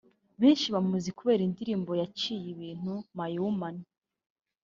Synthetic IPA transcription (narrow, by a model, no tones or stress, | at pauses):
βeːnʃiβamuzikuβe̞ːɾindiɾiːmbo̞jat͡ʃiːjiβiːn̥umajuumani